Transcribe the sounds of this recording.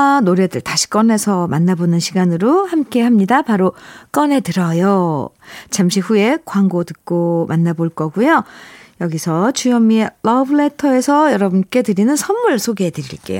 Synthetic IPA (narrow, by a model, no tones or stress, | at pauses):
anoɾe̞dɯɭtaɕʰi̥k͈ʌne̞sʰʌmanːabonɯnɕʰiɡanɯɾohamk͈e̞hamɲidapaɾok͈ʌne̞tɯɾʌjo | t͡ɕamɕʰiɸue̞kwaŋɡotɯk̚k͈omʔanːaboɭk͈ʌɡujojʌɡisʰʌt͡ɕujʌmːieɭʌbɯɭe̞tʰʌe̞sʰʌjʌɾʌbunk͈e̞tɯɾinɯnsʰʌnmːuɭsʰoɡedɯɾḭɭk͈e̞̰jo